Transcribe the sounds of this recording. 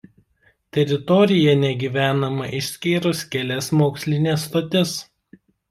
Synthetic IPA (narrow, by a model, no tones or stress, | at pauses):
t̪ʲɛɾʲɪt̪ɔɾʲɪjɛnʲɛɡʲiːʋʲæːnɐmɐʔɪʃʲsʲkʲiːɾʊskʲɛlʲɛsmoːksʲlʲɪnʲeːst̪oːt̪ʲɪs